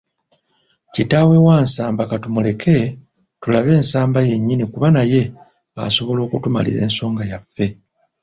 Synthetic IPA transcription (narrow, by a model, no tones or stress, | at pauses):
citawe̞waːnsaːmbakatumule̞kʰe̞ | tulaβe̞ːnsaːmbaje̞ɲːinikuβanaje̞ | a̰so̞βo̞lo̞ːkutuma̰lḭɾe̞̰ːnso̞ːŋɡajafːe̞